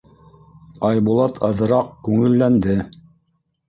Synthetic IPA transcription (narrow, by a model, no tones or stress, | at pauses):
ɑjbulˠɑt̪ʰɑ̆ðɤ̆ɾɑq̚kʉŋɘ̆lːænd̪ɘ